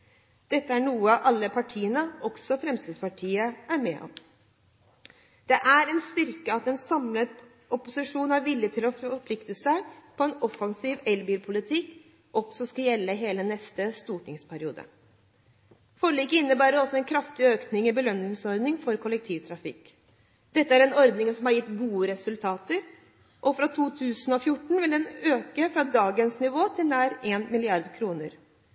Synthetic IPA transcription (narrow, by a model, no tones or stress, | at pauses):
d̪̥ɛt̪ːəæɳuːəɑʔɑlːəpʰɑʈʰiːənəɔɡsɔfɾɛmst̪ɪːd̪spɑʈʰiːəæɾmḛːʔɔ̰m | d̪̥ɛʔæɾɛnst̪ʏɾkəɑt̪ɛnsɑmlət̪ | ɔpʊsɪʂuːnæɾʋɪlːɪt̪ʰɪlɔfɔɾpʰlɪkt̪əsæɪpʰɔɛnɔfɑŋsiːʋɛlbiːlpʰʊlɪt̪ʰɪkː | ʔɔɡsɔskɑjɛlːəɦeːlənɛst̪əst̪uːʈɪŋspʰæɾɪṵːd̪ə̰ | fɔɾəɭiːkəɪnːəbæːɾəɾɔsːɔɛnkʰɾɑft̪ɪøːknɪŋɪbəlœnːɪŋsɔɾd̪nɪŋfɔɾkʰʊlək̚t̪ʰiːʋt̪ʰɾɑfɪ̰kː | d̪̥ɛt̪ːəæɾɛnɔɾd̪nɪŋsɔmhɑɾjɪt̪ːɡuːəɾɛsʉlt̪ʰɑːt̪əɾ | ʔɔfɾɑt̪ʰuːt̪ʰʉːsn̩ɔfjʊʈːɳ̩ʋɪld̪ɛnøːkəfɾɑd̪ɑːɡənsnɪʋoːt̪ʰɪlnæːɾeːnmɪlɪɑɾd̪kʰɾuːnəɾ